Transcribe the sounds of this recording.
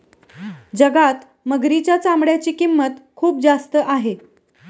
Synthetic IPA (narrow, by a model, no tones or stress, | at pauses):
d͡zəɡat̪ | məɡɾit͡ɕjat͡sambɽjat͡ɕiːkimːət̪kʰuːp̚d͡zast̪əʔaɦe